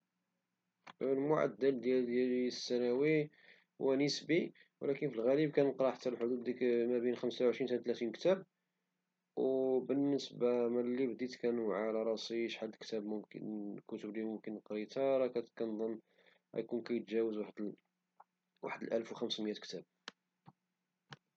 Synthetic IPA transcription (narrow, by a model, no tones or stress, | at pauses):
lmʊʕa̰d̪ːæld̪jæld̪jælisːænæwi | hwænəsbi | wlækənfilɣælib̚kænəqɾˤɑħat̪ːælħod̪ud̪imæbənxəmsawʕəʃɾint̪t̪læt̪inkt̪æb̚ | wbənːəsbamælibd̪it̪kænuʕalɑɾˤɑsiʃħad̪ːəlkt̪æbmʊmkə̰nkʊt̪əblimʊmkənːəqɾit̪ɑɾˤɑkækænd̪ˤənː | æ̰jkunkæjət̪ʒæwəzwaħəd̪ | wa̰ħəd̪əlʔəlfwxəmsməjæt̪kt̪æb̚